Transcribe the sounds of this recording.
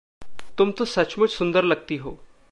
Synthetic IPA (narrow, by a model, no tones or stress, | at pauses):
t̪umt̪osɐt͡ʃmut͡ʃsʊnd̪əɾlɐɡ̚t̪iɦoː